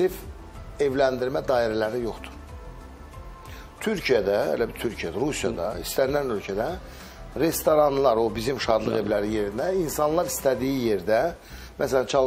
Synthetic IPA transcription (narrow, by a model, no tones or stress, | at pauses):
if | e̞vlænd̪iɾmæd̪ɑːiɾælæɾijo̞χt̪u̥ɾ | t̪ʰyɾcʰijæd̪æḛlæbt̪ʰyɾcʰijæd̪æɾusijɑ̰d̪ɑist̪æɾinænø̞lcʰæd̪æ | ɾe̞st̪oɾɑnlˠɑɾo̞bizimʃɑd̪lˠɯɣe̞vlæɾije̞ɾinæinsɑnlˠɑɾist̪æd̪ijije̞ɾd̪æ | mæsælænt͡ʃʰɑlˠ